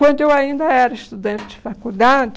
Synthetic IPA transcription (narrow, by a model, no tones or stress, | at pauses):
wɐ̃nd̪ʊewaĩnd̪ɐɛɾɐɪʃt̪ud̪ɐ̃nt͡ʃɪd͡ʒɪfakud̪ad͡ʒɪ